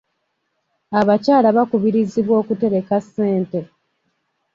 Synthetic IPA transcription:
aβacaːlaβakuβiɾiziβwo̞ːkute̞ɾe̞kasːe̞ːnte̞

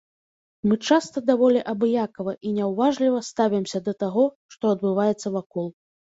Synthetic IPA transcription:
mɨt͡ʂast̪ɐd̪avɔlʲɛʔɐbɨjakɐvɐʔinʲɛwvaʐlʲivɐst̪avʲimsʲɐd̪ɐt̪aɣɔ | ʂt̪ɔɐd̪bɨvajɛt̪sːɐvakɔlˠ

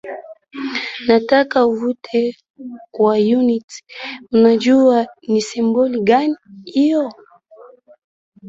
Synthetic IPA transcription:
natakauvutʰɛ | kwajunitunad͡ʒuanisɛmbɔliɡanihijɔ

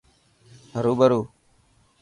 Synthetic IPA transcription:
ɦəɾuːbəɾuː

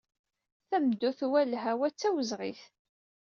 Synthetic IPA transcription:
θæmd̪ːuθwælːɦæwæt͡sːæwəzʁḭθ

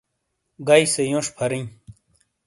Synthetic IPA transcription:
ɡajsejõːʂpʰɐɾij

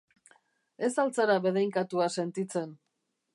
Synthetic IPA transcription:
e̞salt͡saɾaβeð̞ejŋkat̪uase̞nt̪it͡se̞n

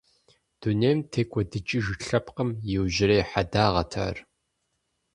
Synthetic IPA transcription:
d̥uneːmtʰeːkʷʼɔdɨt͡ʃʼiʒɨɬɐpqəmjɪwʒɪɾeːħadaːʁɐtʰa̰ːr

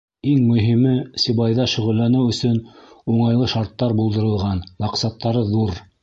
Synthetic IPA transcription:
iŋmɵ̆ɦimɘsʲiβɑjðɑʃɵ̆ʁɵ̆lːænɘwɵ̆sɵnuɴɑjlˠɤʃɑɾt̪ːɑɾbulˠd̪ɤ̆ɾɤ̆lˠʁɑnmɑqsɑt̪ːɑɾɤðuɾ

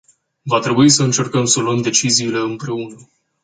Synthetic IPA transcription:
vat̪ɾe̞buisəɨnt͡ʃe̞rkəmsəluəmd̪e̞t͡ʃiziːle̞ɨmpɾe̞unə

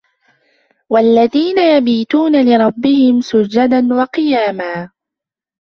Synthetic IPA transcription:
walːaðiːnajabiːt̪uːnalɪɾˤɑbːɪhɪmsʊd͡ʒːad̪anwɑqɨjaːmaː

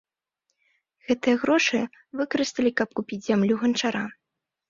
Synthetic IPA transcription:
ɣ̥ɛt̪ɨjɐɣɾɔʂɨ | vɨkɐɾɨst̪ɐlʲikɐp̚kupʲid͡zʲzʲamlʲuɣɐnt͡ʂaɾʔa

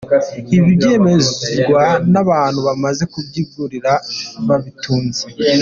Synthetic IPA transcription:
iβibje̞ːme̞zɡwanaβaːn̥huβamaze̞kubɟivuɾiɾaβaβituːnze

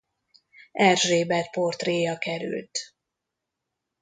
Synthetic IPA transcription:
ɛrʒeːbɛt̪po̞rt̪reːjɒkɛɾy̰lt̪

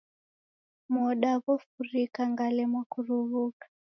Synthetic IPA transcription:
mɔɗaβɔfuɾikaŋɡalɛmwakuɾuβukḁ

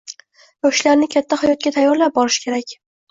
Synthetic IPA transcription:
jɒʃlaɾnɪkʲʰat̪ʰːahajɒt̪̚ɡʲat̪ʰajːɒɾlap̚bɒɾɪʃkʲʰe̞ɾakʲ

